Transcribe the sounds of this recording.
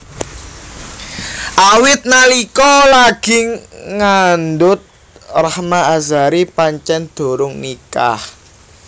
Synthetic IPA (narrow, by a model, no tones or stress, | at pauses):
ʔawɪt̪̚nalikɔlaɡ̥ɪ̤ŋand̪ʊt̪̚ | rahmaazaɾipaɲt͡ʃɛnd̪̥o̤ɾʊŋnika̰h